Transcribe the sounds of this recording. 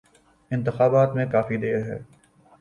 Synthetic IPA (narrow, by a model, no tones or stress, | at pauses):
ɪ̃nt̪ɪxaːbaːt̪mẽkaːfid̪eːɾɦɛ̰ː